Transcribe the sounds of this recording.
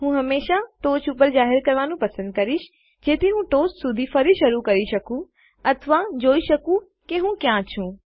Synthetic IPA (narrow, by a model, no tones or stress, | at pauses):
ɦũːɦɐmeːʃaʈoːt͡ʃʰupəɾzaːɦɪɾkɐɾʋaːnũpɐsə̃nd̪̚kɐɾɪʃ | d͡ʑeːt̪ʰeɦũːʈoːssʊd̪ʱifɐɾiʃɐɾukɐɾiʃɐkũ | ɐt̪ʰʋad͡ʑoːiʃɐkũ | keɦũkjãt͡ɕʰũː